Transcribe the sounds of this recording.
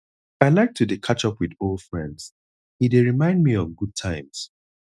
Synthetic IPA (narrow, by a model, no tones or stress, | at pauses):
aɪlaɪk̚tʰudekʰat͡ʃʌpwiðolˠdfɹɛ̃ndz̥ | hideɹimãɪ̃nd̚miɔ̃nɡud̚tʰãɪ̃mz̥